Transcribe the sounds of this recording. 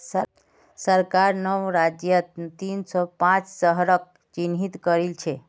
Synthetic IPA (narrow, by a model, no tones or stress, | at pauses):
sə | səɾkaɾnəwɾad͡ʒjət̪t̪insɔpãt͡ʃsəɦɾək̚ | t͡ʃinɦit̪kəɾilt͡ʃʰɛ